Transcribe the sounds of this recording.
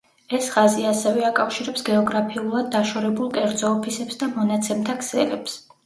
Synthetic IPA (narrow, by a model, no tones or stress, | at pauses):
ɛsʁaziasɛvɛakʼafʃiɾɛpsɡɛɔɡɾapʰiulˠad̪̚ːaʃɔɾɛbulˠkʼɛɾd̪zɔːpʰisɛpsd̪amɔnat̪sʰɛmt̪ʰakʰsɛ̰lɛps